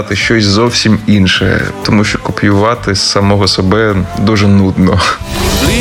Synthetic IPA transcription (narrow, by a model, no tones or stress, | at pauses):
t̪ɪʃt͡ʃɔsʲzɔwsʲiminʃɛ̰ɛ̰t̪ɔmuʃt͡ʃɔkɔpʲjʊʋɑt̪ɪssɐmɔɦɔsɔbɛd̪uʒɛnud̪nɔ